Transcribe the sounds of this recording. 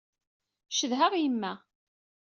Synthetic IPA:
ʃəðɦaʁjəmːæ

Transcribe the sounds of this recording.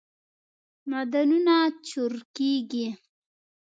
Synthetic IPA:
mad̪anunat͡ʃuɾkiɡi

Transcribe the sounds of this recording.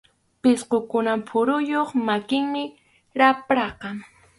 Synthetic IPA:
pɪsqokʊnampʰʊɾʊjoχmakɪŋmɪ | ɾapɾɑqɑŋ

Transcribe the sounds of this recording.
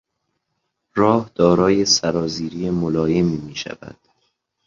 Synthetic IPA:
ɾɒːhd̪̥ɒːɾɒːje̞sæɾɒːziːɾijemolɒːje̞miːmiːʃæ̰væ̰d̪̥

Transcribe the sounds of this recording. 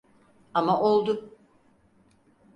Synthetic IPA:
amaʔolˠd̪ʊ

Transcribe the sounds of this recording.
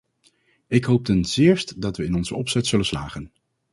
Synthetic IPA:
ɪkɦowp̚tɛnzɪːɹstdɑtʋəɪnɔnzəɔpsɛtsɵlənsla̰ːχən

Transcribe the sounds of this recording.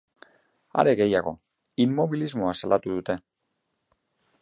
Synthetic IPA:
a̰ɾe̞ɣe̞jaɣ̞o̞̰ | imːo̞βilizmo̞asalʔat̪uðut̪e̞

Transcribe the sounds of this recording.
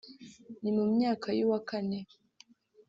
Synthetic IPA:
nimumɲaːkʰajuwakane

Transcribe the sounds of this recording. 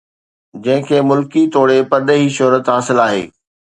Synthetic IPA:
d͡ʑɐ̃ɦɪ̃kʰeːmʊlkit̪oːɽepɐɾɗəɦiʃʊɦɾət̪ɦaːsɪlaːɦḛː

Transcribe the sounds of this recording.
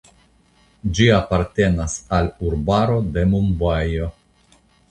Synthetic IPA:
d͡ʒiapaɾte̞nasaluɾbaɾo̞de̞mumbajo

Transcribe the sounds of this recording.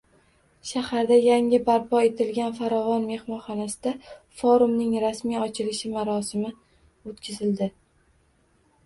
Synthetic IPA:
ʃahaɾd̪ajaŋɪbaɾpʰɒe̞t̪ʰɪlɡʲanfaɾɒvɒnme̞hmɒnχɒnasɪd̪a | fɒɾʊmnɪŋɾasmijɒt͡ʃʰɪlɪʃɪmaɾɒsɪmɪ | ot̪kʲʰɪzɪld̪ɪ

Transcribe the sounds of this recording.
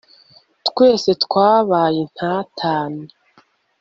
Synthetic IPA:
tkwe̞ːse̞tkwaːβaːje̞n̥haːtʰaːnei

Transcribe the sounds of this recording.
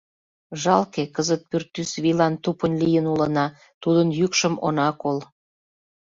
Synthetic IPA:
ʒɑlkekəzət̪̚pyrt̪ːysβilɑnt̪upənlijənulənɑ | t̪ud̪ənjykʃəmo̰nɑkol

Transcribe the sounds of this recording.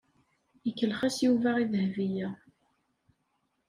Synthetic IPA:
jəkːəlχæsjuvæʁiðəhvijæ

